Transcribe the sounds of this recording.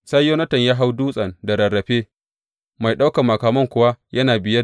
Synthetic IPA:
sɐ˦jjoː˦nɐ˦tɐ˨ɲjaː˦ɦa˦wduː˦sʼɐ˨nda˨ɾɐ˨ɽːɐ˨ɸeː˦ | ma˨jɗa˦wkɐ˨mːɐ˨kaː˨mɐ˦ŋkʷʊ˨wa˦jɐ˦naː˨bɪ˨jɐ˦

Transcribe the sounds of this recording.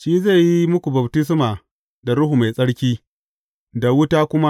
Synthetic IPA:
ʃiː˦za˦˨ji˦mʊ˦kʷu˨bɐ˨btɪ˦s̬maː˨ | da˨ɽʊ˦ɦu˨ma˨jsʼɐ˦ɽkʲiː˦ | da˨wʊ˦taː˦kʷʊ˦ma˦

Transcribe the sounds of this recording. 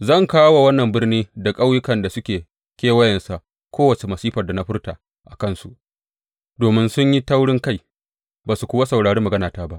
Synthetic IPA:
zɐ˦˨ŋkaː˦wa˨wɐ˦nːɐ˨mbɪ˦rniː˦da˨kʼa˦wjʊ˦kɐ˨nda˨sʊ˦kʲeː˨ | kʲeː˦wɐ˦jɐ˨nsa˨ʔ | kʷoː˦wɐ˨t͡ʃe˨mɐ˨siː˦ɸɐ˨rda˨na˦ɸɪ˦rtaː˨ | ʔa˨kɐ˦nsu˨ʔ | doː˨mɪ˦nsʊ˦ɲji˦ta˦wɽɪ˦ŋka˦˨j | baː˨su˨kʷʊ˦wa˦sɐ˨wɽaː˨ɽeː˦mɐ˨ɡɐ˦naː˨taː˦ba˦ʔ

